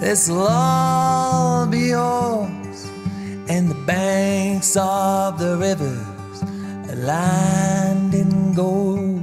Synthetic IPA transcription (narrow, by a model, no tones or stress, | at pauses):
ðɪzlɔ | biɔ | z̥ | ɨ̃nðəbæŋksʌvðəɹɪvə˞ | z̥ | læ̃ | ndɪ̃ŋɡo